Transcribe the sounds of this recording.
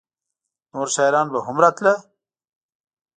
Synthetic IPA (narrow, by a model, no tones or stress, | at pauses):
noːɾsaːjɾaːnbɐɦumɾat̪lɐ